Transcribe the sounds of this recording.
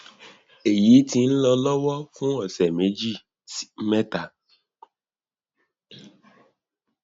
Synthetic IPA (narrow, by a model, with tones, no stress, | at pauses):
e˨ji˨˦tĩ˧n̩˦lɔ˧lɔ˦wɔ˦fũ˦ɔ˦˨sɛ˨mẽ˨˦d͡ʒi˦˨ | si̥˦mɛ̃˦ta˦˨